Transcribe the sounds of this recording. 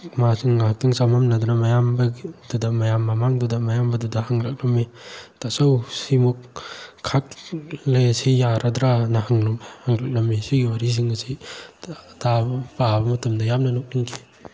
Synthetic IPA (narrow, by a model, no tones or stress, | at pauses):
masiŋaɦak̚tʰiŋsamamnɐdunɐmajambɐdudɐmajamːamaŋdudɐmajambɐdudɐhaŋɾak̚lɐmetasawsimukʰː | at̚lejsijaɾʔadɾanɐhaŋlumehaŋɾak̚lɐmːesiɡiwaɾis̬iŋɐsi | tʰabpabɐmɐtɐmdɐjamnɐnuk̚niŋkʰi